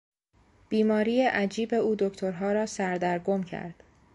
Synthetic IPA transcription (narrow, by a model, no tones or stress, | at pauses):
b̥iːmɒːɾiːjeʔæd͡ʒiːbe̞uːd̪okt̪ʰoɾɦɒːɾɒːsæɾd̪æɾɡomcʰæ̰ɾd̪̥